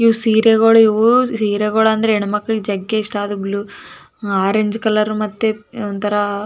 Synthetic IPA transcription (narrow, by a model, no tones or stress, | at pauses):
iʋusiːɾeɣoːɽɐiʋusiːɾeɡoːɽɐɐnd̪ɐɾeiɳumɐkːɐɡid͡ʒɐɡːeiʂʈaːd̪ublu | aːɾeɲd͡ʒkɐlɐɾumɐt̪ːeɔnt̪ʰɐɾɐ